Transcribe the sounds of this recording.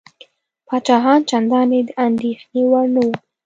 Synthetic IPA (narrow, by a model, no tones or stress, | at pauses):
pɑt͡ʃɑɦɑnt͡ʃand̪ɑned̪əʔand̪exnewaɾnawu